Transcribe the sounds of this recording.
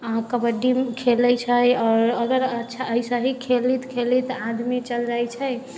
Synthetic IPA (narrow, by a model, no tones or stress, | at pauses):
əɦãkəbəɖimkʰeləjt͡ʃʰəjɔːɾəɡəɾətːʃʰaəisə̃ɦikʰelit̪kʰelit̪ãd̪mit͡ʃəld͡ʒajt͡ʃʰɛj